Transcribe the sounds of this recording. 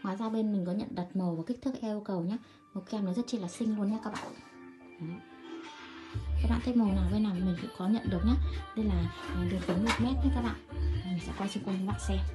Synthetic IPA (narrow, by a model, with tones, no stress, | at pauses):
ŋwaː˨jzaː˧ɓe˧nmï̟˨˩kɔ˨˦ɲə̰˧˨nɗə˨˩t̚mə˨˩wvaː˨˩ki˦˥k̚t̪ʰɨ˦˥kʔɛ˧u˧kə˨˩wɲaː˨˦ | mo˨˩kʔɛ˧mn˨˦zə˦˥t͡ɕi˧laː˨˩sï˧ŋ̟lu˧ənɲaː˨˦kaː˦˥k̚ɓa̰ː˧˨˧ | ka˦˥k̚ɓa̰ː˧˨t̪e˧mo˨˩naː˨˩wvə˧jnaː˨˩wmï˨˩ŋ̟kṵ˧˥kɔ˨˦ɲə̰˧˨nɗɨ˨˩ək̚ɲaː˨˦ɗe˧jlaː˨˩˨zi˨˩fə˨˦nmo˨˩t̚mɛ˦˥t̚ɲa˨˦kaː˦˥k̚ɓa̰ː˧˨nmi̟˨˩sɛ̰˧˥kɔ˧t͡ɕə˧ŋku˧ɲə˨˦ɓa̰ː˧˨nsɛ˧